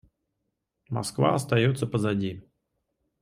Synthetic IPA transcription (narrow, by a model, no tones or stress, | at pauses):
mɐ̰skva̰ɐst̪ɐjot̪səpəzɐdʲi